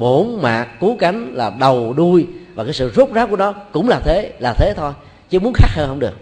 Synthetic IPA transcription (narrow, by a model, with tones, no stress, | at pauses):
ɓo˧˦nmaː˨˩kːu˨˦ka˨˦jŋ̟laː˨˩ɗə˨˩wɗu˧jvaː˨˩kaː˨˦jsɨ̰˧˨zo˦˥p̚zaː˨˦˥ku˧˩əɗɔ˨˦kʊ̰˧˥wŋ͡mlaː˨˩t̪ʰe˨˦laː˨˩t̪ʰe˨˦t̪ʰo˧j | t͡ɕɨ˨˦əmu˨˦ənxaː˦˥k̚həː˧hə˧wŋ͡mɗɨ˨˩ək̚